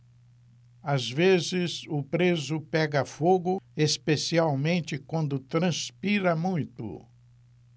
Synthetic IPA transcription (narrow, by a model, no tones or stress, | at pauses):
azvezɪzʊpɾezʊpɛɡɐfoɡʊespesiawmẽnt͡ʃɪkwɐ̃nd̪ʊt̪ɾɐ̃spiɾɐmũj̃t̪ʊ̰